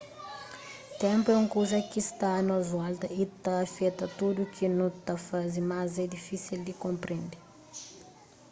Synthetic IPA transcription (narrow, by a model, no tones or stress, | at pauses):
t̪ɛ̃mpuɛũŋkozɐkist̪anɐzalt̪ɐit̪ɐːfɛt̪ɐt̪ud̪ukʰinũt̪ɐfazimazɛd̪ifisild̪ikõmpɾẽnd̪i